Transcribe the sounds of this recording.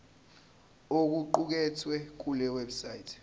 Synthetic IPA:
ok̬uǃuk̬ɛtʰwɛk̬ulɛwɛbsajitʰ

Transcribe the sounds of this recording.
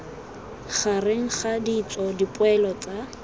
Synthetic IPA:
χarɪŋ̩χadit͡sɔdipʼʊɛlɔt͡sʼa

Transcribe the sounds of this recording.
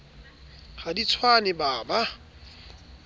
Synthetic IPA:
χadit͡sʰwanɪbaːba

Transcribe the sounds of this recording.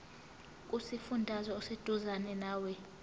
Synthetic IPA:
k̬ʼusifundʱazɔːsed̥ʱuzanɛnaːwɛ

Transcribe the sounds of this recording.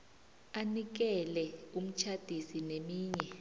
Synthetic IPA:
anik̬ɛlɛum̩t͡ʃʰad̥ʱisinemiːɲɛ

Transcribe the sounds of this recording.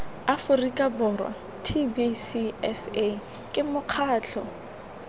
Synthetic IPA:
afʊrikʼabɔrwa̰ | tʰibisiɛse | kʼɪmʊq͡χʰaːt͡ɬʰɔ̰

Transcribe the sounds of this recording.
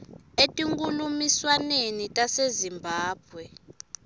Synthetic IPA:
etʼiŋkʼulumiswanenitʼasezimbʱaːb̥ʱwɛ

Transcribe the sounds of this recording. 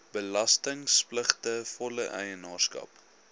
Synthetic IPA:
b̥əlɐstəŋspləχtəfɔləʔɛjənɑːrskɐ̰p

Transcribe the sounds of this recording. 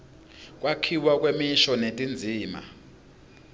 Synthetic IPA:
kʼwakʰiwak̬ʼwemiʃɔnetʼind͡zʱiːma̰

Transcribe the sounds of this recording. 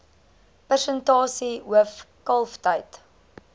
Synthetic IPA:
pərsəntɑːsiɦuəfkɐlˠftəjt

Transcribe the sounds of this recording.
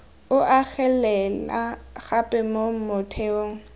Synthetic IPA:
ʊʔaɣɛlɛlaɣapʼɛmomʊtʰeoːŋ̩

